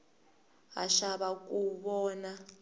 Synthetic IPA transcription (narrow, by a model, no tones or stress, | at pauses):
a̰ʃaɓak̬ʼuɓɔːna